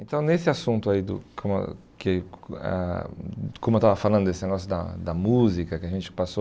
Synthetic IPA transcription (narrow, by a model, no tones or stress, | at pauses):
ẽnt̪ɐ̃w̃nesɪasũnt̪ʊaid̪ʊ̰kʰõm̰kɪ̰ | kõmʊewt̪avɐfalɐ̃nd̪ʊd̪esɪneɡɔsjʊd̪ɐ̰d̪ɐmuzikɐkɪɐʒẽnt͡ʃɪ̥paso